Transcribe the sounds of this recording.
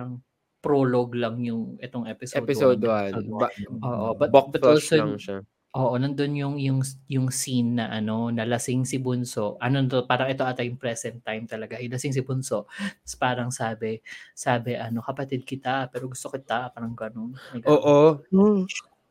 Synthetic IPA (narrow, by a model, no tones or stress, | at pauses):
aɾɐŋ | pɾoloɡlɐŋjʊŋʔɛt̪oŋʔɛpɪsɛdpɪsoːd̪oa | ʔoːʔobɐt̪bkbbɐtolsoŋʃa | ʔoːʔo̞nɐnd̪o̞njʊŋjʊŋjʊŋsinːɐʔɐno̞nɐlɐsɪŋsɪbʊnso̞ʔʔɐno̞nt̪opaːɾɐŋɛt̪o̞ʔɐt̪ɐjʊŋpɾɛsɛnt̪ːajmt̪ɐlɐɡajʊlɐsɪŋs̬ɪbʊnso̞ʔɐspaːɾɐŋsaːbɛsaːbɛʔɐno̞kɐpɐt̪id̪̚kɪt̪apɛːɾo̞ɡʊst̪o̞kɪt̪apaːɾɐŋɡɐnonnɐɡoːʔo